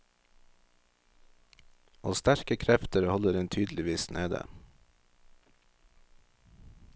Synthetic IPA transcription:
ʔoːst̪æɾkəkʰɾɛft̪əɾhɔləɾɛnt̪ʰyːd̪l̩ɪʋiːsnʔeːd̪ə̰

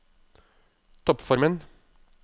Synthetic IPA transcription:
t̪ʰɔpfɔɾmən

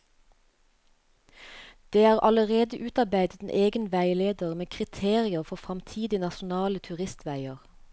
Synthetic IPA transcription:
d̪̥eːɑːʁʔɑləʁeːd̪əʔʉːt̪ɑbæɪd̪ət̪nʔeːɡənʋæɪleːd̪əʁmeːkʰʁɪt̪ʰeːʁɪəʁfɔfʁɑmt̪ʰiːd̪ɪnɑʃʊn̩ɑːlət̪ʰʉʁɪst̪ʋæɪəʁ

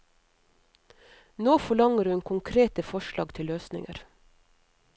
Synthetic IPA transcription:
noːfɔɭɑŋəɾhʉnkʰʊŋkʰɾeːt̪əfɔʃlɑ̰ːɡt̪ʰɪløːsnɪ̰ŋə̰ɾ

